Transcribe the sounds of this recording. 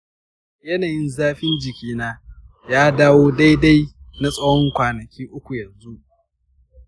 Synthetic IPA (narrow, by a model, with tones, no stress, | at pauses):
jɐ˦naː˨jɪ˦nzaː˦ɸɪ˦nd͡ʒɪ˨kʲiː˦naː˦ | jaː˦daː˦woː˦da˦jda˦jna˦sʼɐ˦hɔ˦ŋkʷaː˨nɐ˨kʲiː˦ʔʊ˦kʷu˨jɐ˨nzu˦ʔ